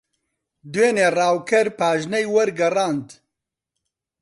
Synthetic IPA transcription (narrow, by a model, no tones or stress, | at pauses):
d̪weːneːrɑːwkʰɐɾpaːʒnɐjwɐɾɡɐrɑːnd̪